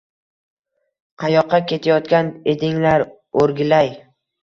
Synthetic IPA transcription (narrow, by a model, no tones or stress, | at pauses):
qʰɑjɒqʰːɑkʲe̞t̪ʰajɒt̪̚kʲaned̪ɪŋlaɾ | oɾɡʲɪlaj